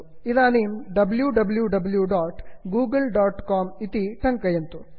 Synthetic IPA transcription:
id̪aːniːmɖɐbljuɖɐbljuɖɐbljuɖaːʈɡuːɡɐlɖaːʈkaːmit̪iʈʰɐŋkɐjɐnt̪u

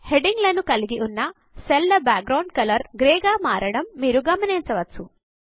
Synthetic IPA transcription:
heɖiŋɡlɐnukɐliɡiʔunːɐ | selːɐbaːk̚ɡɾɐwɳɖkɐlɐɾɡɾeːɡaːmaːɾɐɽɐmːiːɾuɡɐmɐneːnt͡ʃɐʋɐt͡su

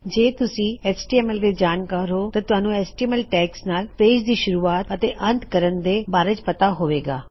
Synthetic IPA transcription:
d͡ʒeːt̪ʊsĩːɛːsʈiːɛːmɛld̪eːd͡ʒaːnkaːɾɦoːt̪ɐ̃t̪ʊaːnũːɛːsʈimɛlʈɛːksnaːlpeːd͡ʒd̪iːʃʊɾuːaːt̪ət̪eːʔə̃nt̪kəɾənd̪eːbaːɾet͡ʃpət̪aɦoːʋeːɡa̰ː

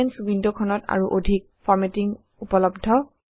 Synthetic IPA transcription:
ɛnswindokʰɔnɔta̰ɹuʔodʱik̚fʰɔɹmetiŋ | upɔlɔbdʱɔ

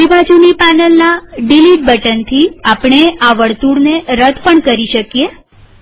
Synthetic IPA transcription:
ibad͡ʒunipanəlnaɖiliʈ̚bəʈənt̪ʰiapɽ̃eʔaʋəɭt̪uɽneɾəd̪ʱpəɳkəɾiʃəkje

